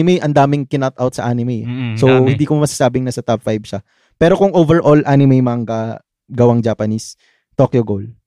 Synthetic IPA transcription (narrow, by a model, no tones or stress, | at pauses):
ɪmɛjʔɐnd̪aːmɪŋkɪnat̪ʔawt̪sɐʔanɪmɛjsohɪnd̪iːkomɐsasaːbɪŋnasɐt̪ap̚fajbʃɐ | pɛːɾo̞kʊŋʔoːvɛɹʔolʔanɪmɛjmaŋɡɐ | ɡɐwaŋd͡ʒaːpɐnis | t̪okjʊɡol